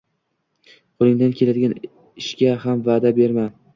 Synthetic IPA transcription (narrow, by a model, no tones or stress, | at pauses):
qʰʊlˠɪŋd̪ankʲʰe̞lad̪ɪɡʲan | ɪʃɡʲahamvaːd̪abe̞ɾma